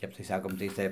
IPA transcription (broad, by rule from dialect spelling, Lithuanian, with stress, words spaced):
ˈtʲɛp tɐɪ ˈsɑːkoːm tɐɪ ˈt͡sʲɛ